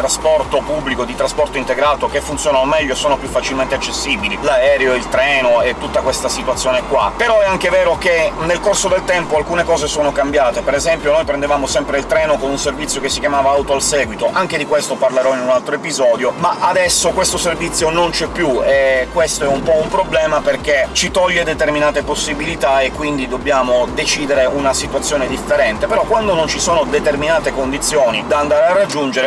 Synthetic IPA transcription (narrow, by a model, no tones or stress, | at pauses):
t̪ɾaspɔrt̪opubːlikod̪it̪ɾaspɔrt̪oint̪eɡɾaːt̪okefːunt̪sjoːnanomɛʎːoesoːnopjufːat͡ʃilmẽnt̪eat͡ʃːesːiːbililaɛːɾeoilt̪ɾɛːnoet̪ːut̪ːakwest̪asit̪wat̪sːjoːnekwa̰peɾɔɛaŋkevɛːɾokenːelkorsod̪elt̪ɛmpoalkuːnekɔːzesoːnokambjaːt̪epeɾezɛmpjonojpɾend̪evaːmosɛmpɾeilt̪ɾɛːnokonunservit̪sjokesːikjamaːvaawt̪oalsɛːɡwit̪oʔaŋk̟ed̪ikwest̪oparleɾɔinunalt̪ɾoepizɔːd̪jomaʔad̪ɛsːokwest̪oservit̪sːjonont͡ʃɛpːjuekːwest̪oɛumpɔumpɾoblɛːmaperket͡ʃit̪ɔʎːed̪et̪erminaːt̪eposːibilit̪aekːwind̪id̪obːjaːmod̪et͡ʃiːd̪eɾeunasit̪wat̪sːjoːned̪ifːeɾɛnt̪epeɾɔkːwand̪onont͡ʃisoːnod̪et̪erminaːt̪ekond̪it̪sːjoːnid̪and̪aːɾearːad͡ʒːund͡ʒeɾe